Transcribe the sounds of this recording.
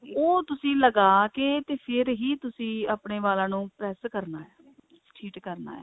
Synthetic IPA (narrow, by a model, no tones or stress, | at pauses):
oːt̪ʊsĩːləɡaːkeːt̪eːpʰɪɾɦiːt̪ʊsĩːaːpɳeːʋaːlãːnũːpɾɛːskəɾnaːɛː | ʈʰiːʈkəɾna̰ːɛ̰ː